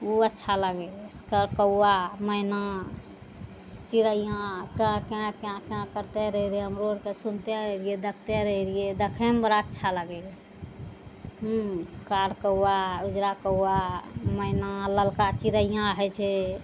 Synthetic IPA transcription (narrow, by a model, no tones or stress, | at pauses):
uətːʃʰaləɡɛskəɾkəwaməɪna | t͡ʃiɾəijãkãkkãkãkəɾt̪eɾəɦiɾeəmɾoɾkesunt̪ɛɾəɦiɾied̪əkʰt̪eɾəɦiɾied̪əkʰembəɾaətːʃʰaləɡɛ | ɦkaɾkəwaud͡ʒɾakəwaməɪnaləlkat͡ʃiɾəjãɦɛt͡ʃʰɛ